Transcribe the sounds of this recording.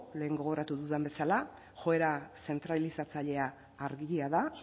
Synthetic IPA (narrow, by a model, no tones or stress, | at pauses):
le̞ːŋɡo̞ɣo̞ɾat̪uðuðembe̞sala | xo̞e̞ɾase̞nt̪ɾalisat͡saʎe̞aː | ɾɣiiaða